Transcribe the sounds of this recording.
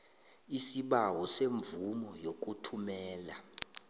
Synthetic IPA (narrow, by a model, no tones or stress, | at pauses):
isiɓawɔseɱb̪vumɔjok̬ʼutʰumɛːla